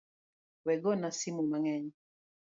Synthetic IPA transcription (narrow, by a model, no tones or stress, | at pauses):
wɛɡɔnasimumaŋɛɲi